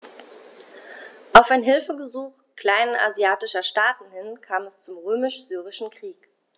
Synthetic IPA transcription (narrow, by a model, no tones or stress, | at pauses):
ʔaʊfaɪnɦɪlfəbəzuːχ | kl̥aɪnʔa̰zjaːtɪʃɐʃtaːtn̩hɪnkʰaːmɛst͡sʊmʁøːmɪʃz̥yːʁ̞ɪʃn̩kʁ̥iːk